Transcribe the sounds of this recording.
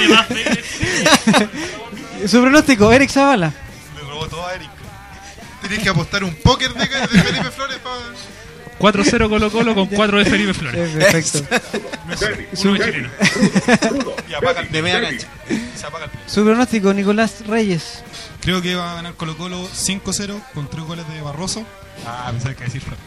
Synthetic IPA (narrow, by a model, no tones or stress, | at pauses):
a | supɾonost̪ikoeɾiksaβala | meɣɾoot̪oðaeɾik | t̪enekeapost̪aɾumpokeɾðekeðefelipefloɾepa | kwat̪ɾoseɾokolokolokoŋkwat̪ɾoðefeɾipefloɾeeɾpeɾfek̚t̪onessunoet͡ʃileno | iapakad̪emejakat͡ʃḁ | seapaɣalpesupɾonost̪ikonikolasrejes | kɾeokeβaaɣanaɾkolokolosiŋkoseɾokont̪ɾeɦɣoleðeβaroso | apesaɾkeðesiɾfeɾ